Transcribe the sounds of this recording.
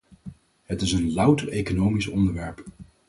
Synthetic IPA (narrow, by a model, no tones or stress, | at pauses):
ɦətɪsənlʌwtərejkonowmisɔndəɹʋɛɹp